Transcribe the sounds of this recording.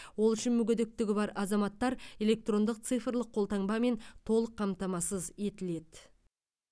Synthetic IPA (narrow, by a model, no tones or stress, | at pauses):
wo̞lˠʏʃɪnmʏɡʲed̪ek̚t̪ɪɡʲɪbɑɾɑzɑmɑt̪ːɑɾe̞le̞k̚t̪ro̞nd̪əq̚t̪sɨjfrlˠəqʰːolˠt̪ɑŋbɑme̞nt̪ʰo̞lˠəqʰːɑmt̪ɑmɑsəze̞t̪ɪle̞d̪̥